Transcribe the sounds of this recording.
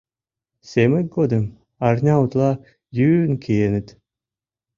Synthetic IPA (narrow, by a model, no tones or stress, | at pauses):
sʲemɘk̚ɡod̪ɨm | ɑrnʲɑut̪lˠɑ | jynkʰejenɘ̆t̪